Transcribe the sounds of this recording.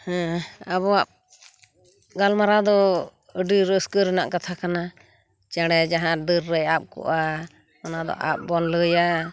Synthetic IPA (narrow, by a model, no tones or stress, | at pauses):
hɛ̃abɔap̚ | ɡalmaɾad̪ɔ | əɖiɾəskəɾəna̰ʔkat̪ʰakana | t͡ʃaɽɛd͡ʒaɦãd̪əɾːəjap̚kɔ̰ʔa | ɔnad̪ɔ̰ʔa̰p̚bɔnləja